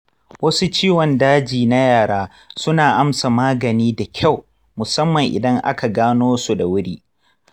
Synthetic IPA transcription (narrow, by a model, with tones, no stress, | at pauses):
wɐ˦su˦t͡ʃiː˦wɔ˨ndaː˦d͡ʒiː˨na˦jaː˨ɽaː˦ | sʊ˦naː˨ʔa˦msa˨maː˦ɡɐ˨niː˦da˨kʲʰa˦˨w | mʊ˨sɐ˦mːɐ˨ŋʔɪ̰˨dɐ˦ŋʔa̰˦ka˨ɡaː˦noː˦su˨da˨wʊ˦ɽiː˦